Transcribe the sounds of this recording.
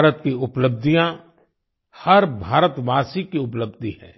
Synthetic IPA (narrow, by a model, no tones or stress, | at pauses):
ɾət̪kiʊpləb̚d̪ʱijã | hɐɾbʱaːɾət̪ʋaːsikiʊp̬ləbd̪ʱihɛ̰̃ː